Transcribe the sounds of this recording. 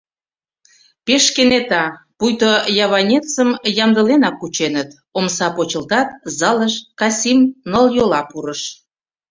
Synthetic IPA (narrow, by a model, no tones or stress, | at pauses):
peʃkenet̪ɑ | pujt̪ojɑβɑnʲet͡səmjɑmd̪əlenɑkːut͡ɕenət̪ | omsɑpot͡ɕə̆lt̪ɑt̪̚zɑləʃkɑsʲimnoljolɑpuɾəʃ